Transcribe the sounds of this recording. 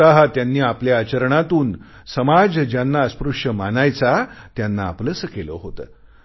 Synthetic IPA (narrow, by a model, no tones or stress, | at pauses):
aɦat̪janːiːapljaːt͡ɕəɾɳat̪uːn | səmad͡zd͡ʑjanːaəspɾuʂjəmanajt͡sat̪janːa̰ːpləsəkeləɦot̪əː